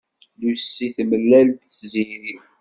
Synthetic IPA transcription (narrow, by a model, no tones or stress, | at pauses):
lusːiθməlːælt̪t͡sːziɾiw